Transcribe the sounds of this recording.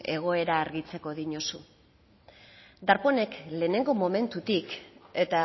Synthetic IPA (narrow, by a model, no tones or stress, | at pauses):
e̞ɣ̞o̞e̞ɾaːɾɣit͡se̞ko̞ðiɲo̞su | d̪aɾpo̞ne̞kle̞ːne̞ŋɡo̞mo̞me̞nt̪ut̪ike̞t̪a